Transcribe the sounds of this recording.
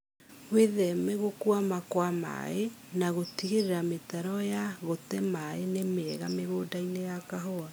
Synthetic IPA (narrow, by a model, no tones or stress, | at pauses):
ɣweðɛmɛɣokuamakwama̰e | naɣotiɣeɾeɾametaɾɔjaɣotɛmaenemeɛɣameɣoːdainejakaɦoa